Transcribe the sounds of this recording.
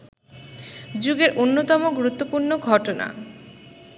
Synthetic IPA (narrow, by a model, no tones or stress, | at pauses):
d͡ʑuɡeɾʔonːot̪ɔmoɡuɾut̪ːopuɾnoɡʱɔʈona̰